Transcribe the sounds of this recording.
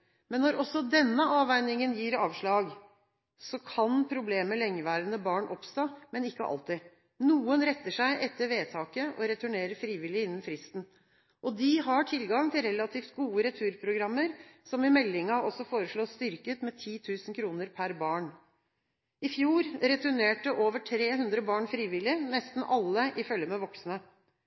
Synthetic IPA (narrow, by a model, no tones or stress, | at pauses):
mɛnːɔɾɔsːɔd̪ɛnːəʔɑːʋæɪnɪŋənjiːɾɑːʋʂɭɑːɡ | sɔkʰɑnpʰɾʊbleːməlɛŋːəʋæːɾənəbɑːɳʔɔpst̪oːmɛnɪkːəʔɑ̰lt̪ɪ | nuːənɾɛt̪ːəʂæɪʔɛt̪ːəɾʋeːt̪ʰɑːkəʔɔɾɛt̪ʰʉɳeːɾəfɾiːʋɪlɪɪnːənfɾɪst̪n̩ | ʔɔd̪ɪɦɑʈʰɪlɡɑŋt̪ʰɪlɾɛlɑt̪ʰiːft̪ɡuːəɾɛt̪ʰʉːɾpʰɾʊɡɾɑmːəɾsɔmɪmɛlːɪŋɑɔsɔfoːɾəʂɭoːst̪ʏɾkət̪mɛt̪ʰiːt̪ʰʉːsən̩kʰɾuːnəɾpʰæɾbɑːɳ | ɪfjuːɾɾɛt̪ʉɳeːʈəʔoːʋəʈʰɾeːɦʉnd̪ɾəbɑːɳfɾiːʋɪlɪnɛst̪n̩ʔɑlːəʔɪfœlːjəmɛʋɔksnə